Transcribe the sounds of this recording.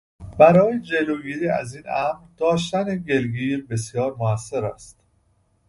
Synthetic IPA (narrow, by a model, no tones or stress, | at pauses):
b̥æɾɒːjed͡ʒe̞loːɡiːɾiːæ̰ziːnæmɾd̪̥ɒːʃ̬t̪æneɡe̞lɡiːɾbe̞sjɒːɾmoæsːe̞ɾæ̰st̪